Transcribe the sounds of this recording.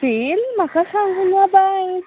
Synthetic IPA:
t̪ilm̤akasaŋɡunabaj

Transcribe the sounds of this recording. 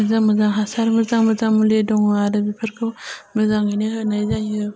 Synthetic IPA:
mazaŋmɯzaŋɦasaɾmɯzaŋmɯzaŋmuledɔŋaɾɯbipʰɯɾkʰɯwmɯzaŋineɦɯnajzajɯ

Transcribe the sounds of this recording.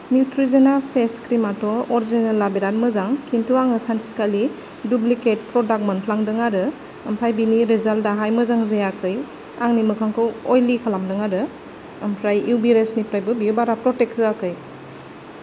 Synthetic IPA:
njitɾizenalpʰeskɾimatɔɔɾzenalːabiɾat̚mɯzaŋkʰintʰuaŋɯsantsikali | dubliket̚pɾɔdak̚mɐnpʰlaŋdɯŋaɾɯ | ɐmpʰajbiniɾezaltaɦajmɯzaŋzejakʰɯj | aŋnimɯkʰaŋkʰɔɔjlikʰalamdɯŋaɾɯ | ɐmpʰɾajiwbiɾesnipʰɾajbɯbiubaɾapɾɔtekʰːɯakɯj

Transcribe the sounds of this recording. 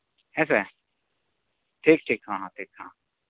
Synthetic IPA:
ɛːse | ʈʰiːk̚ʈʰiːkɦãːɦãːʈʰiːkhã̰ː

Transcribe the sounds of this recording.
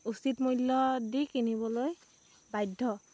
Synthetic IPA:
usitmojlːɔdikiniβɔloj | bajdʱːɔ

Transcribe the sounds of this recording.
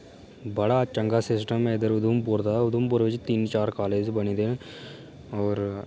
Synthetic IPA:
bəɽaːt͡ʃəŋɡaːsɪsʈəmɪd̪əɾʊd̪ʱumpʊɾd̪aːʊd̪umpʊɾʋɪt͡ʃt̪iːnt͡ʃaːɾkaːleːd͡ʒbəniːd̪e | ɔːɾ

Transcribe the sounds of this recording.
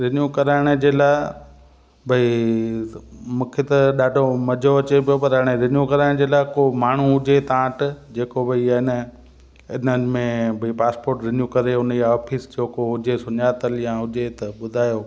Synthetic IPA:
ɾɪnjuːkɐɾaːɪɽ̃ə̆d͡ʑeːlaː | bʱɐi | mũːkʰet̪ɐɗaːɖʱomɐd͡ʑʱoɐt͡ɕepijopɐɾɐːɽ̃eɾɪnjukɐɾaːɪɽ̃d͡ʑeːlaːɪkomaːɳ̤ũɦʊd͡ʑʱet̪ãːʈd͡ʑeːkobʱɐiɪnə | ɪnəmẽbʱɐipaːspoːɾʈɾɪnjukɐɾeʊnəɔːfʰisd͡ʑʰoːkoɦʊd͡ʑesʊɲaːt̪əljãɦʊd͡ʑet̪ɐɓʊd̪ʱaːjoː

